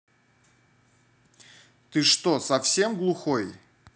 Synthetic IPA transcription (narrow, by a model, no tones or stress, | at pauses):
t̪ɨʂt̪osɐfsʲe̞mɡlˠʊxoj